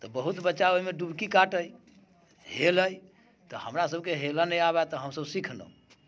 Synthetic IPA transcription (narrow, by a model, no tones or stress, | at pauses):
t̪ɔbəɦut̪bətːʃaoimeɖubʱkikaʈəj | heləj | t̪ɔhəmɾasəbkeɦelənəjaβɛt̪ɔɦəmsəbsikʰno̰